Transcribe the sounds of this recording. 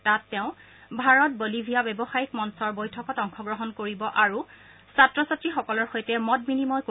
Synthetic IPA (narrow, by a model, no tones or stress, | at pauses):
tatːɛʊ̃ | bʱaɹɔt̚bolibʱijabɛbɔxajikmɔnsɔɹbojtʰɔkɔtɔŋxɔɡɹɔɦɔnkoɹibɔʔaɹu | satɹɔsatɹixɔkɔlɔɹxojtɛmɔt̚minimɔjk